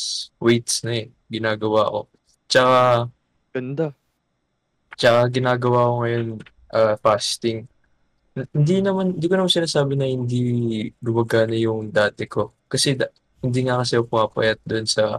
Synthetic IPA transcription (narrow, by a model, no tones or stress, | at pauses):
swejt̪snɐɛ | ɡɪnaːɡɐwa̰ko̞̰ | t͡ʃɐka | ɡ̥ɐnd̪a | t͡ʃɐkaɡɪnaːɡɐwakoŋɐjo̞n | ʔaːfaːst̪ɪŋ | hɪnd̪inɐmanɪnd̪iːkonɐmansɪnaːsaːbɪnɐhɪnd̪iɡʊmɐɡanɐjʊŋd̪aːt̪ɛko̞ | kɐsɛ | hɪnd̪iːŋɐkɐsɛʊpʊaːpɐ̰jɐt̪̚d̪oʔnsɐ